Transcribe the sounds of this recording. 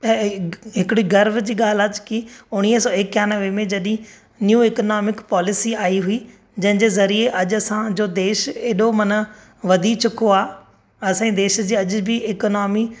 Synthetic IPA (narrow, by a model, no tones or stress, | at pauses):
ɦɪkɽiɡɐɾʋd͡ʑiːɠaːl̤ad͡ʑkiʊɽ̃iɦsɔːekjaːnɐʋemẽd͡ʑɐɗĩ | njuːeknɔːmɪkpɔːlɪsiaːiɦʊi | d͡ʑɐ̃ɦɪ̃d͡ʑeːzɐɾieʔɐʄʊɐsãd͡ʑoːd̪eːʃeːɗomɐnə | ʋɐd̪ʱit͡ɕʰʊkʰoaː | ɐsãĩd̪eːʃd͡ʑiːɐʄʊbʱɪɪkɔnɔːmi